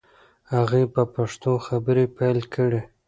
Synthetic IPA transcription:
haɣipəpaʂt̪oxabəɾepajlkʰəɽe

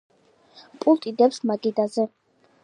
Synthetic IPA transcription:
pʼult̪ʼid̪ɛpsmaɡʼid̪azɛ

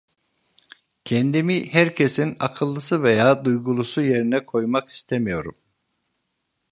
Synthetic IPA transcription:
cʰɛnd̪imihæɾcʰesina̰kʰɯlˠːɯsɯvejaːd̪ujɡulˠusuje̞ɾinɛkʰo̞jmaki̥st̪ʰemijo̞ɾum

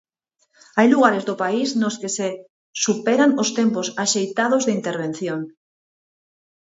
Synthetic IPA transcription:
ajluɣaɾezðopaiznoskese | supeɾaŋost̪emposaʃejt̪að̞ozðɪint̪eɾβ̞ẽn̟θjoŋ

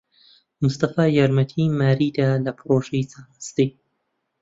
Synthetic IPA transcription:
mʊst̪ɐfaːjaɾmɐt̪ʰimaːɾiːd̪aːlɐpɾoːʒɛjt͡saːnɨst̪i

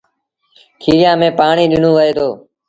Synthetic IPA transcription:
kʰiːɾɪjãːmẽːpaːɳiːɗɪn̤õːʋəɦeːt̪ʰoː

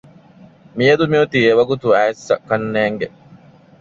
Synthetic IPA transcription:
mijɐd̪umiut̪ieʋɐɡut̪uæːesːɐ̰kɐnːeːŋɡe

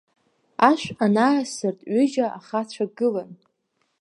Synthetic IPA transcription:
aʃʷanaːsɨrtʼɥʏʒaʔaχat͡ɕʷʰaɡɨlan

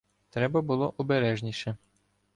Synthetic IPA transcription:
t̪ɾɛbɐbʊlˠɔʔɔbeɾɛʒnʲiʃɛ

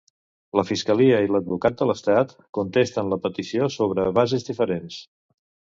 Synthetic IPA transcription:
ləfiskəliəiləd̪̚βukat̪̚d̪ələst̪at̪ | kunt̪est̪ənləpət̪isiosoβ̞ɾəβazizdifəɾens

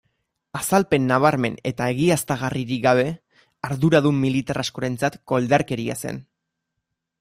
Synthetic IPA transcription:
asalpe̞nːaβ̞aɾme̞ne̞t̪ae̞ɣ̞iast̪aɣ̞ariɾiɡaβ̞e̞ | aɾðuɾaðumːilit̪arasko̞ɾe̞nt͡sat̪ko̞ld̪aɾke̞ɾia̰se̞̰n

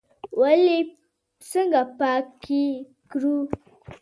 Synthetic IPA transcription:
wali | səŋɡapaki | kɾu

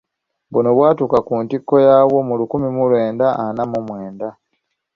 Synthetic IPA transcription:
βuno̞βwaːtuːkakuːntikːo̞jaːwo̞mulukumimulwe̞ːndaanamumwe̞ːnda

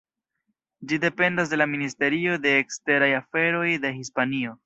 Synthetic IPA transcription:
d͡ʒide̞pe̞ndas̬de̞laministe̞ɾio̞de̞ːkste̞ɾajafe̞ɾo̞jde̞ɦispanio̞

